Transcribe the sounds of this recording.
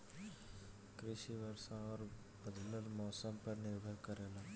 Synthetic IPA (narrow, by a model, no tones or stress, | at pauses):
kɾɪʃiʋəɾsãɔːɾ | bəd̪ləlmɔːsəmpɐɾnɪɾbʱəkəɾeːlaː